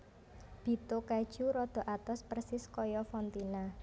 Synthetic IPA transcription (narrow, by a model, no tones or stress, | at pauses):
b̥i̤t̪okad̥ʒ̥uɾɔd̪̥ɔ̤ʔat̪ɔspərsɪskɔjɔfɔnt̪ina